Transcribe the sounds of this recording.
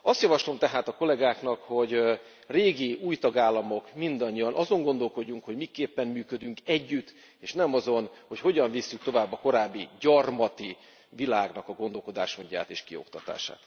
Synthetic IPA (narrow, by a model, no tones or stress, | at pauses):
ɒst̪jɒvɒʃlo̞mt̪ɛɦaːt̪ɒko̞lɛɡaːkn̪ɒkho̞ɟ | reːɡiuːjt̪ɒɡaːlːɒmo̞kmind̪ɒɲːiɒnʔɒzo̞ŋɡo̞nd̪o̞lko̞ɟːuŋkho̞ɟmikeːpːɛmmyːkød̪yŋkɛɟːyt̪ː | eːʃnɛmɒzo̞nho̞cho̞ɟɒɱvisːyk̚t̪o̞vaːbːɒko̞ɾaːbːiɟɒrmɒt̪i | vilaːɡnɒkɒɡo̞nd̪o̞lko̞d̪a̰ːʃmoɲɟa̰ːt̪ḛːʃkio̞̰kt̪ɒt̪a̰ːʃa̰ːt̪